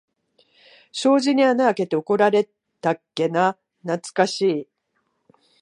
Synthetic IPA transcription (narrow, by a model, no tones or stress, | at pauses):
ɕo̞ːʑiɲ̟ianaːke̞t̪e̞o̞ko̞ɾaɾe̞ | t̪akːe̞na | nat͡sɨ̥kaɕiː